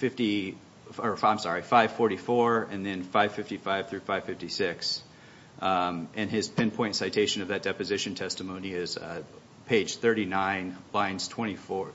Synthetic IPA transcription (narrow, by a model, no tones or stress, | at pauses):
fɪfti | ə˞fãɪ̃msɑɹifaɪv̥fɔɹɾifɔɹɨ̃nðɨ̃nfaɪv̥fɪftifaɪv̥θɹʉfaɪv̥fɪftisɪks | ʔɨ̃nɪz̥pʰɛ̃npʰɔ̃ɪ̃ntsaɪtʰeɪʃɨ̃nʌvðɨt̚d̥ɛpɨzɪʃɨ̃n̩tʰɛstəmõʊ̃niɪz̥ | pʰeɪd̥ʒ̥θɜ˞ɾinãɪ̃nlãɪ̃nz̥tʰw̥ɛ̃ɾ̃ifɔɹ